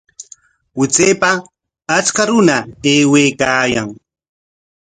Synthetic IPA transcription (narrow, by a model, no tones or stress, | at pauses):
wɪt͡seːpaː | t͡ʃkaɾʊnaeːwejkaːjaŋ